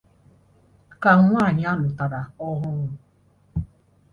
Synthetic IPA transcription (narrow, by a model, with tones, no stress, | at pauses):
ka˨˦ŋʷa˦˨ɲ˨˦a˦nʊ˨ta˨ɾa˨ɔ˦ɦʊ˦ŋʊ˦